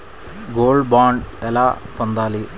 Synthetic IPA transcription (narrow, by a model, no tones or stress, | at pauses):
ɡoːlɖbaːɳɖɛlaːpɐnd̪aːli